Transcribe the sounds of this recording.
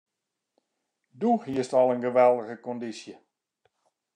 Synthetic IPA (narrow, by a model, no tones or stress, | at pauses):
duhiəstɔlˠənɡəʋɛlˠdəɣəkɔndisjə